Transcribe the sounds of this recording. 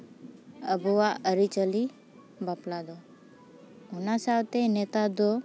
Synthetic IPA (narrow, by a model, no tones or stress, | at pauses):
əbowaʔəɾit͡ʃəli | baplad̪o | unasawt̪enet̪ad̪o